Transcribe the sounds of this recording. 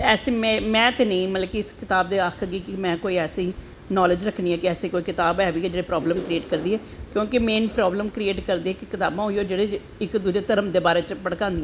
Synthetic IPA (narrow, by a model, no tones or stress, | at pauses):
ɛːsẽːmɛ̃mɛ̃ːt̪eːnəĩːmət̪ləkiɪskɪt̪aːbd̪eːaːkʰɡiːkɪmɛ̃ːkoːiːɛːsĩː | nɔːled͡ʒɾəkʰniːɛ̃ːkɪɛːseːkoːiːkɪt̪aːbɛːbiːkːd͡ʒeːɽeːpɾɔːbləmkɾieːʈkəɾd̪iːɦɛːkjõːkemeːnpɾɔːbləmkɾieːʈkəɾd̪iːɛkkɪt̪a̰ːbãːɦoioːd͡ʒeːɽeː | ɪkd̪uːd͡ʒeːt̪əɾəmd̪eːbaːɾeːt͡ʃpəɽkãːnd̪ĩɛ̃ː